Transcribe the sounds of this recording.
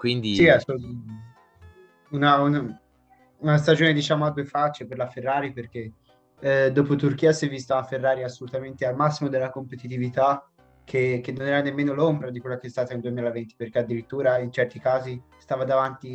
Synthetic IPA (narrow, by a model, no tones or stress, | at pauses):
kwind̪isiasou | unauna | unast̪ad͡ʒoːned̪it͡ʃaːmoad̪ːuefat͡ʃːeperlaferːaːɾiperk̟e | d̪ːoːpot̪urk̟iːasɛvːist̪aaferːaːɾiasːolut̪ament̪ealmasːimod̪elːakompet̪it̪̬ivit̪a | kʰek̟ːenːonɛːɾanemːeːnolombɾad̪ikwelːakeɛst̪aːt̪aeld̪uemiːlavent̪i̥perk̟ead̪ːiɾit̪ːuːɾaint͡ʃɛrt̪ikaːzist̪aːvad̪avant̪i